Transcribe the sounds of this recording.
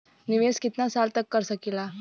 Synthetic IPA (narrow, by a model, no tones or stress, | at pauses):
niʋeskit̪nasalt̪əkːəɾsəkila